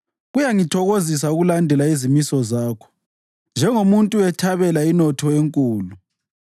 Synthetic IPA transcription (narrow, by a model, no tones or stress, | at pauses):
ɣujaŋitʰɔɣozis̬auɣulandʱɛlaizimisɔzaːkʰɔ̥ | nd͡ʒʱɛŋomuntʼuɛtʰaβɛlainɔtʰɔeŋkʼuːlu